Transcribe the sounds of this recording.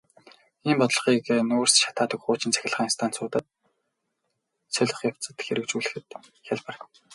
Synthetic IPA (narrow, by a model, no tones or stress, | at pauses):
iːmpɔt̪ɮɞ̆χiːknuːrsʃḁt̪aːt̪ə̆kχʊːt͡ɕɪ̆nt͡sʰæ̥xʲɪ̆ɮʁaːŋnst̪ʰaːnt͡sʊːt̪ə̆t̪̚ | sʰœɮʲɞ̆χjaw̥t͡sə̆t̪xeɾɘ̆kt͡ɕuːɮɘ̆xɘ̆t̪ | xʲaɮparə̆k